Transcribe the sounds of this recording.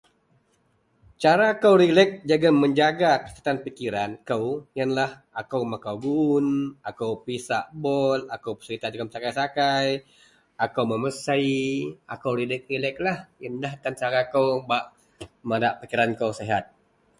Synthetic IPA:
t͡ʃaɾakawɾilɛk̚d͡ʒaɡaməɲd͡ʒaɡakəkat̪anpikiɾankəwjənlah | akawmakawɡunʔakawpisaʔbɔlakawpə̥səɾit̪ad͡ʒaɡamsakajsakaj | akawməməsaja̰kawɾilɛk̚rilɛk̚lahjəndaht̪ant͡ʃaɾakawbaʔ | madaʔpikiɾankawseɦat̪̚

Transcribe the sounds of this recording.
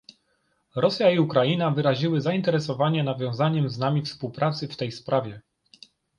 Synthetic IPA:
ɾɔsʲjaiukɾajinavɘɾaʑiwɘzaint̪ɛɾɛsɔvaɲɛnavʲjɔ̃w̃zaɲɛmznamʲifspuwpɾʔat̪sɘft̪ɛjspɾʔavʲjɛ

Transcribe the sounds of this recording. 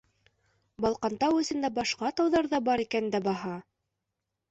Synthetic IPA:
bɑlˠqɑnt̪ɑwɵ̆sɘ̆nd̪æbɑʃqɑt̪ɑwðɑɾðɑbɑɾikænd̪æbɑɦɑ

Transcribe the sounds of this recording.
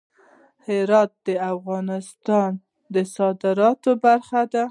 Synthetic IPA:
hɪɾɑt̪̚d̪əafɣɑnɪst̪ɑn | d̪əsɑd̪ɪɾɑt̪obaɾxad̪a

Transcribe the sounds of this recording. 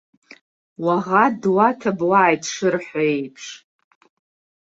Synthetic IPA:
waʁadwatʰabwaːjtʰʼʂɨrħʷaejpʰʂ

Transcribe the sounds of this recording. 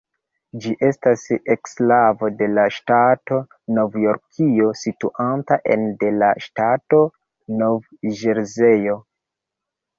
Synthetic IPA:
d͡ʒiʔe̞stasekslavo̞de̞laʃtato̞ | no̞vjo̞ɾkʰio̞situʔantaʔḛnde̞laʃtato̞ | no̞v | ʒeɾzejo̞

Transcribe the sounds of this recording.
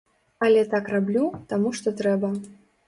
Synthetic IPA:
ɐlʲɛt̪akrablʲut̪amuʂt̪ɔt̪ɾɛbɐ

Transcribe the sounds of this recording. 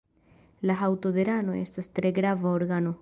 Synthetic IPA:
laɦawto̞d̪e̞ɾano̞e̞̰stastɾe̞ɡɾavaoɾɡano̞

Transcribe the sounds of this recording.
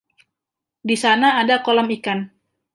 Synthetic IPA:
disanaːdakolɔmikan

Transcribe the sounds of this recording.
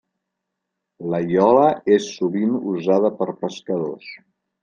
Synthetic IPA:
ləjɔləesːuβinuzaðəpəɾpəskəðos

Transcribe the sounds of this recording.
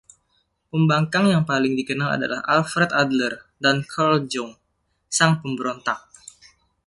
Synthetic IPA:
pəmbaŋkaŋjaŋpalɪŋdikənala̰da̰la̰ha̰lfɾɛt̪adlərdankʰɔld͡ʒɔŋ | saŋpəmbəɾont̪ak̚

